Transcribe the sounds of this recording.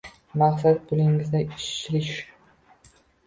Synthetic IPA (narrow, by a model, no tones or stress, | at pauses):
maχsat̪̚bʊlɪŋɪznɪɪʃt͡ʃːlɪʃ